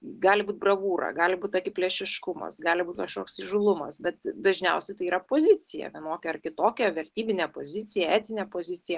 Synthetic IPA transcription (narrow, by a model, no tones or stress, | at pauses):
ɡɑːlʲɪbuːt̪̚brɐʋuːɾɐ̰ɡɑːlʲɪbuːt̪ʲokʲɪpʲlʲɛʃʲɪʃkʊmɐ̰sɡɑːlʲɪbuːt̪ʲkɐʃkoːksɪʒʊlˠʊmɐsbʲɛt̪d̪ɐʒʲnʲɛʊsʲɛt̪ɐɪiːɾɐpoːzʲɪt͡s̪ʲɪjɛ̰ʋʲiɛnoːkʲɛɐrkʲɪt̪oːkʲɛʋʲɛɾʲt̪ʲiːbʲɪnʲɛpoːzʲɪt͡s̪ʲɪjɛæːt̪ʲɪnʲɛpoːzʲɪt͡s̪ʲɪjɛ